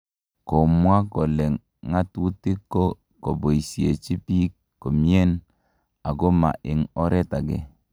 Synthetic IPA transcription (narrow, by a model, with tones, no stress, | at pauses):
ko˨mwa˦kɔ˨lɛ˨ŋ | ŋa˦tu˦ti˦kːo˦ | ko˨bo˨i˨sje˨t͡ʃi˦pi˦ | kːo˨mi˦e˦n | a˨ɡo˦ma̰˨ʔɪ˨ŋɔ˦ɾɛ˦ta˨ɡɛ˨